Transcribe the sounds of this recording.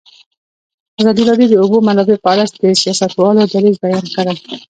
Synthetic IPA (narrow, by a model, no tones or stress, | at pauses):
azɑd̪iɾɑb̪jod̪əubomanlɑbepɑlasd̪əsijɑsat̪wɑlod̪aɾizbajɑnkaɽəl